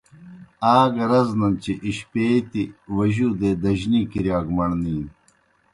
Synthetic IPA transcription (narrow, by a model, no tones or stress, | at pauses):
aːɡɐɾɐznɐnt͡ɕiʔiɕpeːt̪iwɐʑuːd̪eːd̪ɐʑnikiɾjaːɡmɐɳniːn